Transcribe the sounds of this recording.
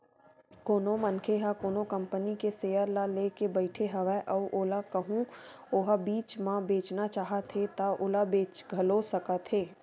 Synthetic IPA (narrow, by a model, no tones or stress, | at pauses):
koːnomɐnkʰeɦakoːnokɐ̃mpənikeseːjəɾlaleːkebəɪʈʰeɦɐʋɛʔɔʔoːlakɐɦũoːɦabiːt͡ʃmãbeːt͡ʃnat͡ʃaːɦət̪ʰɦet̪aʔoːlabeːt͡ʃɡʱɐlosɐkat̪ʰeː